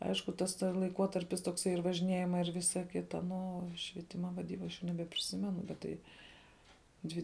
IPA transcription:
ˈɐɪʃkʊ tɐs ˈtɐ lˠɐɪˈkuɔtɐrʲpʲɪs toːkˈsɐɪ ɪr ʋɐʒʲɪˈnʲiɛjɪmɐɪ ɪr ˈʋʲɪsɐ ˈkʲɪtɐ nʊ oː ʃʲʋʲiɛˈtʲɪmɐ ʋɐˈdʲiːbɐ ɐʃ nʲɛbʲɛpʲrʲɪˈsʲɪmʲɛnʊ bʲɛt ˈtɐɪ ˈdʲʋʲɪ

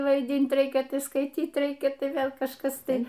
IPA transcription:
ʋɐɪˈdʲiːnt ˈrʲɛɪkʲɛ skɐɪˈtʲiːt ˈrʲɛɪkʲɛ ˈtɐɪ ˈʋʲeːlˠ kɐʃˈkɐs ˈtɐɪ

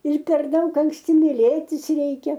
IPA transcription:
ɪr pʲɛr ˈdɐʊk ɐŋksʲˈtʲɪ mʲɪˈlʲeːtʲɪs ˈrʲɛɪkʲɛ

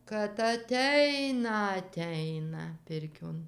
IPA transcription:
kɐt ɐˈtʲɛɪnɐ ɐˈtʲɛɪnɐ ˈpʲɪrʲkʲoːn

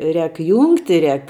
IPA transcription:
ˈrʲɛːk ˈjuːŋktʲɪ ˈrʲɛːk

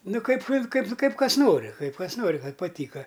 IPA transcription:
ˈnʊ ˈkɐɪp ˈkɐɪp ˈkɐɪp ˈkɐs ˈnoːrʲɪ ˈkɐɪp ˈkɐs ˈnoːrʲɪ pɐˈtʲiːkɐ

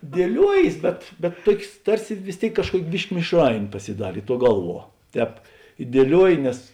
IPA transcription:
dʲiɛˈlʲuɔjeːs bʲɛt bʲɛt ˈtuɔkʲeːs ˈtɐrʲsʲɪ ʋʲɪs ˈtʲeːɪk kɐʃˈkuɔkʲ ˈbʲɪʃʲkʲɪ mʲɪʃˈrɐɪnʲeː pɐsʲɪˈdɑːrʲeː ˈtuɔ ˈɡɐlˠˌʋuɔ ˈtʲɛːp ɪ dʲiɛˈlʲuɔjɪ nʲɛs

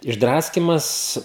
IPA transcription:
ɪʒˈdrɑːsʲkʲɪmɐs

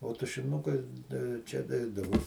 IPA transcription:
oː tʊʃʲɪˈnʊkɐɪ tɐɪ jɛʊ ˈt͡ʃʲɛ ˈnʲɛɪdɐʋʊ

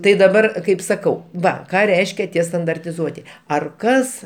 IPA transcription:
tɐɪ dɐˈbɐr ˈkɐɪp sɐˈkɐʊ ˈʋɐ ˈkɑː ˈrʲɛɪʃʲkʲɛ ˈtʲiɛ stɐndɐrʲtʲɪˈzuɔtʲɪ ɐr ˈkɐs

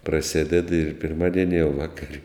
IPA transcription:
prɐˈsʲeːdʲɛt ɪr pʲɪrˈmɑːdʲiɛnʲɪ jɛʊ ˈʋɑːkɐrʲ

